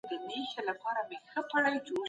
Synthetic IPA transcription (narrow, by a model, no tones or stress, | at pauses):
d̪ənexelapɑɾamexəpaɽajd͡ʒo